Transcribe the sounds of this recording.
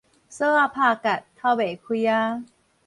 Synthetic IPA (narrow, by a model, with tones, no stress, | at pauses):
sɤː˥˩a˧pʰaː˧ka˨˩tʰːa˧˩beː˨˦kʰu˧ja˧˦